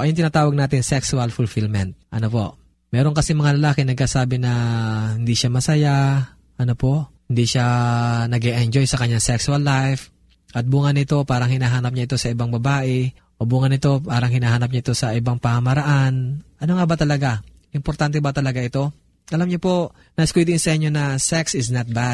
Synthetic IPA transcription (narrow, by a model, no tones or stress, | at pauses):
ʔɐjoŋt̪ɪnaːt̪aːwɐɡ̚naːt̪ɪŋsɛksʊɐlfʊlfɪlmɛnt̪̚ʔɐno̞po̞ʔ | mɛːɾoŋkɐsimɐŋalɐlaːkɪnɐɡ̚kaːsaːbɪnɐhɪnd̪iʃamɐsɐja | ʔɐno̞po̞ʔhɪnd̪iʃanɐɡɛʔɛnd͡ʒo̞jsɐkɐɲːaŋsɛksʊɐlːajf | ʔɐt̪̚buːŋɐnɪt̪o̞paːɾɐŋhɪnaːɦaːnɐp̚ɲaʔɪt̪o̞sɐʔɪbaŋbɐbaːʔɛ | ʔobuːŋɐnɪt̪o̞paːɾɐŋhɪnaːɦaːnɐp̚ɲaʔɪt̪o̞sɐʔɪbaŋpɐhɐmɐɾɐʔanʔɐno̞ŋabɐt̪ɐlɐɡa | ʔɪmpoɾt̪ant̪ɛbɐt̪ɐlɐɡaʔɪt̪o̞ | ʔɐlamɲopo̞ | nɐʔɪskwid̪ɪŋsɐʔɪɲːo̞nɐsɛksɪsnɐt̪̚bad̪̚